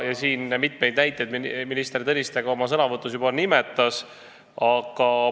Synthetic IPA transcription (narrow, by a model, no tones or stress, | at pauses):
jɑsiːnmit̪me̞jd̪̥næjt̪ːˑjed̪minist̪eɾit̪ɤnʲist̪e̞ɡ̥ɑo̞mɑsɤnɑvɤt̪ːˑus̬jubɑnimɛt̪ˑːɑs | ɑɡ̥ɑ